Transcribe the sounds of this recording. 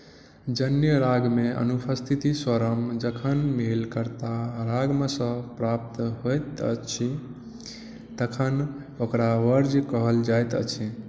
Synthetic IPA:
d͡ʒənjəɾaɡmeʔə̰nupʰəst̪ʰit̪iswəɾəmd͡ʒəkʰənmelkəɾt̪aɾaɡmesə̃pɾap̚t̪ɦojt̪ət͡ʃʰi | t̪əkʰən | okɾaʋəɾd͡ʒkəɦəld͡ʒajt̪ət͡ʃʰi

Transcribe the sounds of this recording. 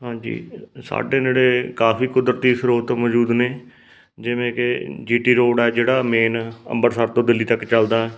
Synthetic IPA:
ɦãːd͡ʒḭːsa̰ːɖeːd͡ʒeːɽeːkaːfiːkʊd̪ɾt̪iːsɾoːt̪ːmɔd͡ʒuːd̪neː | d͡ʒɪʋẽːked͡ʒiːʈiːɾoːɽɛːd͡ʒeːɽaːmeːnə̰̃mbəɾsəɾt̪õːd̪ɪlːiːt̪əkːt͡ʃəld̪aːɛː

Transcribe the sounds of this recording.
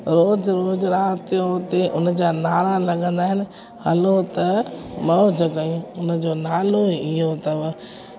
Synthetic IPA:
ɾoːd͡ʑɾoːd͡ʑɾaːt̪jot̪eʔʊn̆d͡ʑaːnaːɾalɐɠə̃nd̪aːɦɪnɪ̆ | hɐ̰lot̪ɐmɐd͡ʑəkɐjũʊnə̆d͡ʑoːnaːloɪɦot̪ɐʋ

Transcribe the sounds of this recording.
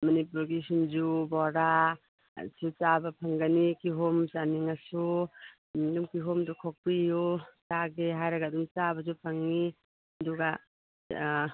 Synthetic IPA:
manipuɾɡisinzubɔɾa̰ | sʰut͡ʃabapʰaŋɡanikiɦomt͡ʃaniŋasu | dumkiɦomdukʰɔk̚pijut͡ʃaɡeɦajɾaɡadumt͡ʃabazupʰaŋni | ɐduɡa

